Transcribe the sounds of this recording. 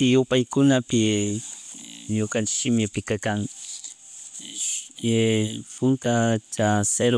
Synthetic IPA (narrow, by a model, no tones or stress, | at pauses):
ɪjʊpajkʊnapɪ | ɲʊkant͡ʃɪ̥ʃɪmɪpɪkakaŋ | pʊnt̪at͡ʃaseɾ